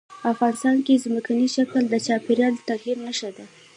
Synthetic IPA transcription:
pəafɣɑnɪst̪ɑnkezməkaniʃakəld̪ət͡ʃɑpeɾjɑlt̪aɣhiɾnəʃad̪a

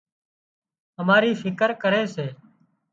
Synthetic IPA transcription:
əmaːɾiːfʰɪkəɾkəɾeːseː

